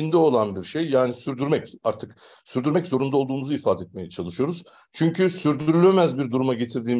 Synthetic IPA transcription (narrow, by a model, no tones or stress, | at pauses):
ind̪ɛo̞lˠanbiɾʃejːaːnisyɾd̪yɾmɛcaɾt̪ʰɯk | syɾd̪yɾmɛczo̞ɾund̪alˠd̪uːmuzuifaːd̪ɛt̪̚me̞jɛt͡ʃʰalˠɯʃɯjo̞ɾuz̥ | t͡ʃʰyɲcʰysyɾd̪yɾylʲemæzbiɾd̪uɾumaɟe̞t̪ʰiɾd̪iːm